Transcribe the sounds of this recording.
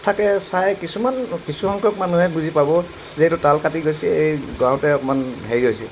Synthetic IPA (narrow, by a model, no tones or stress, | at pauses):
tʰakɛsajkisumankisuhɔŋkʰɔkmanuɦɛbuzipabɔ | zɛtutalkatiɡojsɛejɡãw̃tɛɔpɔmanɦeɹiɦojsɛ